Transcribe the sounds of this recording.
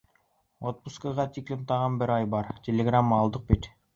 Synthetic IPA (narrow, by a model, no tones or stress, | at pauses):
ot̪̚buskəʁɑt̪ʲiklʲnt̪ɑʁɑnbɪɾɑjbɑɾtʲelʲeɡramːlˠd̪əq̚bet̪